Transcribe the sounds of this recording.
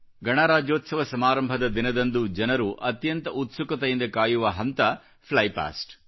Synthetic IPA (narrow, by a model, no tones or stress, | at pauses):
ɡɐɳaːɾaːd͡ʒoːt̪sɐʋɐsɐmaːɾɐmbʱɐd̪ɐd̪inɐd̪ɐnd̪ud͡ʒɐnɐɾuʔɐt̪jɐnt̪ɐʔut̪sukɐt̪ɐjind̪ɐkaːjuʋɐɦɐnt̪ɐ | pʰlɐjpa̰ːsʈ